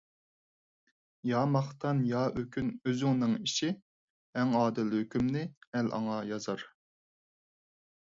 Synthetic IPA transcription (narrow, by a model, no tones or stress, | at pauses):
jɑːmɑχt̪ʰɑnjɑːøkʲynøzyŋnɪŋiʃi | ɛŋɑːd̪ɪlhøkʲʰymnɪɛlʔɑ̰ŋɑjɑzɑɾ